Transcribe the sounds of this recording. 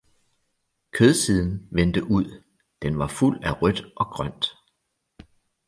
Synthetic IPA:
kʰøð̞ˠsiːð̞ˠn̩ʋend̥əʔuð̞̰ˠ | d̥enʋɑ̈ful̰æʁœd̥ʔɒ̽ɡ̥ʁɶn̰d̥

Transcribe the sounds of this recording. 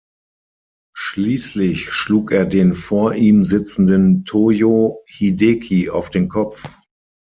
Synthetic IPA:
ʃliːslɪçʃluːkeːɐdeːnfoːɐʔiːmzɪt͡sn̩dəntʰoːjohidekʰia̰ʊfd̥eːnkʰɔpp͡f

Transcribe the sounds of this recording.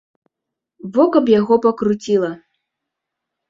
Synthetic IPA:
vɔkɐpjaɣɔpɐkɾut͡sʲilˠɐ

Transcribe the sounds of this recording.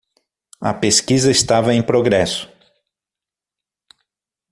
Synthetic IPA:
ɐ̰peskizɐest̪avɐẽj̃pɾoɡɾɛsʊ̥

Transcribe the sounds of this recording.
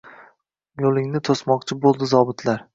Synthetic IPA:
jolˠɪŋnɪt̪ʰosmɒq̚t͡ʃʰɪbolˠd̪ɪzɒbɪt̪ʰlaɾ

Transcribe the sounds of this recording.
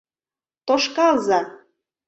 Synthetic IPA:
t̪oʃkɑlzɑ

